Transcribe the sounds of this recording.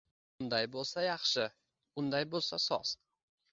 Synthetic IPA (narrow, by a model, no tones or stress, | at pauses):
ʊnd̪ajbolˠsajɑχʃɪ | ʊnd̪ajbolˠsasɒ̰s